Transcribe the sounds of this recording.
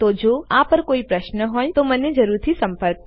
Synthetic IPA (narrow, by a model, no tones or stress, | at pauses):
t̪oːd͡ʒoːaːpəɾkoːipɾɐʃnəɦõːj̃t̪omɐnẽd͡ʒɐɾuːɾt̪ʰisɐ̃mpəɾk̚